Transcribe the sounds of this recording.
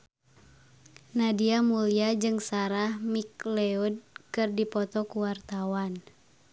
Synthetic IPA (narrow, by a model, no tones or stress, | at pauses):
nadiamuliad͡ʒɨŋsaɾahmik̚lɛud̚kɨrdipɔt̪ɔkuwart̪awan